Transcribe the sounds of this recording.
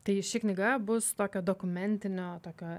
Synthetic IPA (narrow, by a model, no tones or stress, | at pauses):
t̪ɐɪʃʲɪknʲɪɡɐbʊst̪oːkʲoːd̪oːkʊmʲɛnʲt̪ʲɪnʲoːt̪oːkʲoː